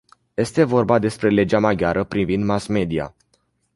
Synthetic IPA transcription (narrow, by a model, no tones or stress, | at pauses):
je̞st̪e̞vo̞rbad̪e̞spɾe̞le̞d͡ʒamaɡʲaɾəpɾivind̪masme̞d̪ia̰